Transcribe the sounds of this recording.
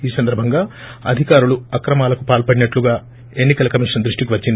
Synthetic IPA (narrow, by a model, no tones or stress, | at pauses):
iːsɐnd̪ɐɾbʱɐŋɡaːɐ̰d̪ʱikaːɾuluɐkɾɐmaːlɐkupaːlpɐɽinɐʈluɡaː | e̞nːikɐlɐkɐmiʂɐnd̪ɾuʂʈikiʋɐt͡ʃːind̪i